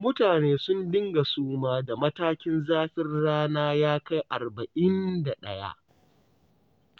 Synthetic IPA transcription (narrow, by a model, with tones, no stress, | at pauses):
mʊ˦taː˨neː˦sʊ˦ndɪ˦ŋɡa˨suː˦maː˦da˨mɐ˦taː˦kʲɪ˦nzaː˦ɸɪ˦rɽaː˦naː˦jaː˦ka˦jʔa˨rbɐ˨ʔɪ˦nda˨ɗɐ˦ja̰˦ʔ